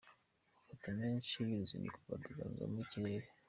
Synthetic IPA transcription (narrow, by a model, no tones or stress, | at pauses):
fatameːnʃiβiɾuzḭnḭkuvaduɡa̰nza̰miciɾeɾe